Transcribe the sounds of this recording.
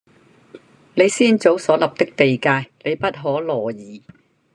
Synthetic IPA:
ne˨˧jsiː˥nt͡so˨˥wsɔː˨˥lɐ˨p̚t̪ɪ˥k̚t̪e˨jkaː˧jle˨˧jpɐ˥t̚ɦɔː˨˥lɔː˨˩jiː˨˩

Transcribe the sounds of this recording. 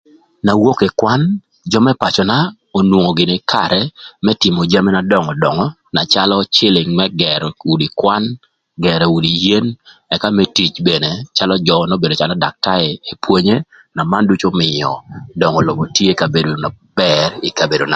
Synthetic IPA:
na˨wo˦ke˨kwa˦n | d͡ʒɔ˦mɛ˦pa˨t͡ʃɔ˨na˦ | o˨nwo˨ŋo˨ɡɪ˨nɪ˦kʰa̰˨ɾɛmɛ˦tɪ˨mo˨d͡ʒa˦mi˦na˨dɔ˦˨ŋɔ˨dɔ˨ŋɔ˦ | na˨t͡ʃa˦lɔt͡ʃɪ˦lɪ˨ŋmɛ˦ɡɛ˨ɾu˨di˨kwa˦n | ɡɛ˨ɾɛ˨u˨di˨je˦nɛ˨ka˦mɛ˦ti˨t͡ʃbe˨ne˨t͡ʃa˦lɔ˦d͡ʒɔ˨no˦be˨do˨t͡ʃalɔ˦da˨k̚ta˦ɾɛ˨e˨pʰwe˦ɲe˦ | na˨ma˦ndu˦t͡ʃo˦mɪ˨jɔ̰˨dɔ˨ŋɔ˨lɔ˨bo˨tje˦ka˨be˨do˨na˨ | b̥ɛɾɪ˨ka˨be˨do˨na˨

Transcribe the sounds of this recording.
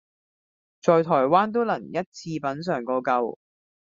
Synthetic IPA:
t͡sɔː˨jt̪ʰɔː˨˩jwaː˥nt̪̬o˥wlɐ˨˩ŋjɐ˥t̚t͡sʰiː˧pɐ˨˥nsœː˨ŋkɔː˧kɐ˧w

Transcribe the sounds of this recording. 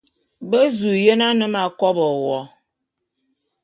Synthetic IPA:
bə˦zu˨je˦na˦nɨ˦ma˨kɔ˦bɔ˨wɔ˦

